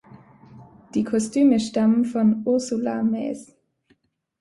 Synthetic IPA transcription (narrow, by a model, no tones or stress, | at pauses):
d̥iːkʰɔstʰyːməʃtamənfɔnʊɐsulamɛ̰ːs